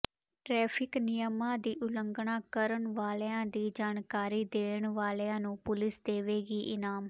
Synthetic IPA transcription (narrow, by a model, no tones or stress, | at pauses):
ʈɾɛːpʰɪknɪjəmãːd̪iːʔʊləŋɡɳãːkəɾəɳʋaːlːãːd̪iːd͡ʒaːnkaːɾiːd̪eːɳʋaːlːãːnũːpʊlɪsd̪eːʋeːɡiːʔɪnaːm